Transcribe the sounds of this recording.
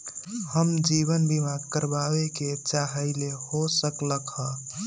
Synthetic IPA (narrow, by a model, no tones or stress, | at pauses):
həmd͡ʒiβənbimaɡkəɾbabeket͡ʃaɦəɪlehosəkləkɦə